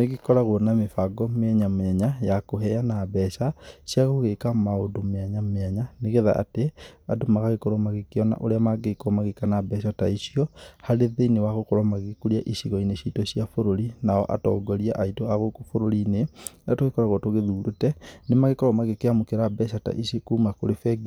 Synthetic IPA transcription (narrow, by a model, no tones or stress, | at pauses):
neɣikɔɾaɣoɔnamefaɡɔmeaɲameaɲajakoɦɛanabɛʃasiaɣoɣekamaodomeaɲameaɲaneɣeða̰ʔa̰tea̰domaɣaɣekoɾɔmaɣekeɔna̰ʔoɾeamaɡekɔmaɣekanabɛʃataisiɔhaɾeðeinewaɣokɔɾɔmaɣekuɾiaʔisiɣɔineɕitɔɕiafoɾoɾinaɔ̰ʔa̰tɔ̰ːɡɔɾiaʔaitoaɣokufoɾoɾinenatoɣekɔɾaɣɔtoɣeðuːɾutɛnemaɣekɔɾɔmaɣekeamokeɾabɛʃata̰ʔisekuːmakoɾefɛɡ